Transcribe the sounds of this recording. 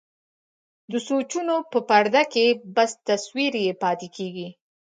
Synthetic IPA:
d̪əsot͡ʃunopəpaɾd̪akebast̪aswiɾjepɑt̪ekʰeɡi

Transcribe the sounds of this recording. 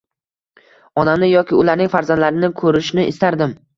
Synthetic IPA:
ɒnamnɪjɒkʲɪʊlaɾnɪŋʲfaɾzand̪laɾɪnɪkʰɵɾɪʃnɪʔɪst̪aɾd̪ɪm

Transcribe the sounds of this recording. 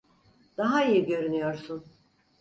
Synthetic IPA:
d̪̥aɦaijiɟø̞ɾynyjoɾsun

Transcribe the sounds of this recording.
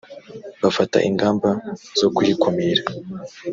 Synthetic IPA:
βafata̰ʔiŋɡaːmbaz̥o̞kujikʰomiɾa

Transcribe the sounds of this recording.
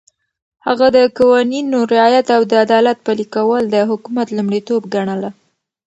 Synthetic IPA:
haɣad̪əkawɑninoɾɪɑjat̪awd̪əad̪ɑlat̪̚palikawəld̪əɦʊkumat̪lumɽit̪obɡaɳəla

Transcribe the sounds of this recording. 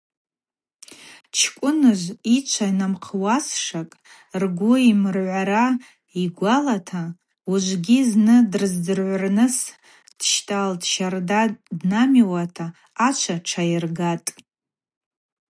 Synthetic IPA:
t͡ʃʰkʷʼʊnɨʒʷit͡ʃʷʰainamqʰwasʂakʼ | rɡʷʊimɨrʕʷaɾa | iɡʷalatʰa | uʒʷɡʲiznɨdrɨzdɨrʕʷarnɨs | d̥ʃtʼaldʃardadnamiwatʰaː | t͡ʃʷʰaʈ͡ʂʰajɪrɡatʼ

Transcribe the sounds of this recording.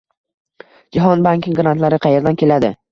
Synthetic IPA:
d͡ʒaɦɒnbaŋʲkʲɪŋɡɾant̪laɾɪqʰɑje̞ɾd̪ankʲʰe̞lad̪ɪ̰

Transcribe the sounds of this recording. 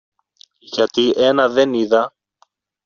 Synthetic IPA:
ʝɐt̪iʔe̞nɐðe̞niðɐ

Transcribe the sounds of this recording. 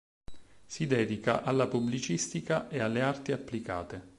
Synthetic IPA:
sid̪ɛːd̪ika̰ʔalːapublit͡ʃist̪ikaʔealːeart̪iapːlika̰ːt̪e

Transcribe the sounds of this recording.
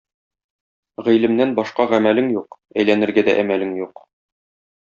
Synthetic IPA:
ʁĭjlɘ̆mnænbɒʃqɑʁæmælɘŋjuq | æjlænɘ̆ɾɡæd̪æ̰ʔæmælɘŋjuq

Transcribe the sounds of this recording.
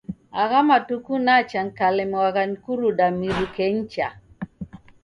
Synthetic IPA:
aɣamatukunat͡ʃaŋkalemwaɡankuɾudamiɾukent͡ʃa

